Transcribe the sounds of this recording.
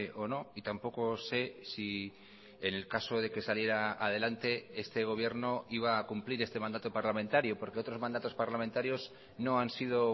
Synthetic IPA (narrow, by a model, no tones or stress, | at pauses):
o̞no̞it̪ampo̞ko̞se̞si | ene̞lkaso̞ð̞e̞ke̞salje̞ɾaːð̞e̞lant̪e̞est̪e̞ɣ̞o̞β̞je̞ɾno̞iβ̞aːkumpliɾe̞st̪e̞mand̪at̪opaɾlamẽnt̪aɾjopo̞ɾke̞o̞t̪ɾo̞zmand̪at̪o̞spaɾlament̪aɾjo̞s | no̞ansið̞o̞